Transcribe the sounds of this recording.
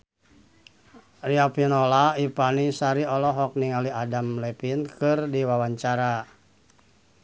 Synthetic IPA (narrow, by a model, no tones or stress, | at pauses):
riapinolaipanisaɾiɔlɔɦɔk̚niŋaliadamlɛpinkɨrdiwawaɲt͡ʃaɾa